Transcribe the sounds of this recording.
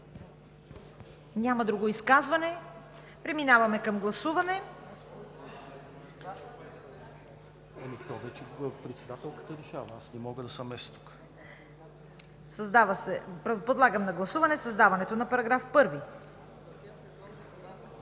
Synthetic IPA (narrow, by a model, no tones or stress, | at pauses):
ɲʲamɐd̪ɾuɡoiskazvɐnɛ | pɾɛminavɐmɛkɐmɡlˠɐsuvɐnɛ | ɛmit̪ɔvɛt͡ʃɛpɾɛt̪sɛd̪at̪ɛlˠkə̥t̪əɾɛʃavɐasnɛmɔɡəd̪ɐsɐmɛst̪u̥k | sɐzd̪avəsɛppod̪lˠaɡəmnɐɡlˠɐsuvɐnɛsɐzd̪avɐnɛt̪onɐpɐɾɐɡɾafpɤɾvi